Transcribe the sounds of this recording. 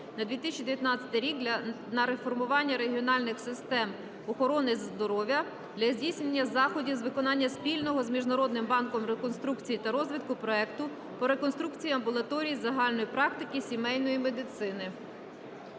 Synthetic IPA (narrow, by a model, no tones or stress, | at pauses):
nɐd̪ʋʲit̪ɪsʲt͡ʃʲid̪eʋjɐt̪nɑt͡sʲɐ̥t̪ɪɾʲikd̪ʲ | nɐɾe̞fɔrmʊʋɑnʲːɐɾe̞ɦʲiɔnɑlʲnɪxsɪst̪ɛm | ɔxɔɾɔnɪzzd̪ɔɾɔʋʲjɐ | d̪lʲɐzʲdʲijsʲnenʲːɐzɑxɔdʲizʋɪkɔnɑnʲːɐspʲilʲnɔɦɔzmʲiʒnɐɾɔd̪nɪmbɑnkɔmɾekɔnst̪ɾukt͡sʲijit̪ɐɾɔzʋʲɪt̪kʊpɾɔɛkt̪ʊ | pɔɾe̞kɔnst̪ɾukt͡sʲijɐmbʊlˠɐt̪ɔɾʲijizɐɦɑlʲnɔjipɾɑk̚t̪ɪkɪsʲimɛjnɔjimed̪ɪt̪sɪnɪ